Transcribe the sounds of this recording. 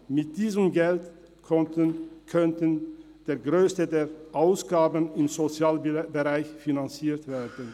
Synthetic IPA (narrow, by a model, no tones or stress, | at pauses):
mɪt̚d̥iːzəmɡɛlt | kʰœntən | d̥eːɐɡʁøːstədeːɐʔaʊsɡ̥aːbənɪmzot͡sjaːlbəʁaɪçfinant͡siːɐtv̥eːɐdən̩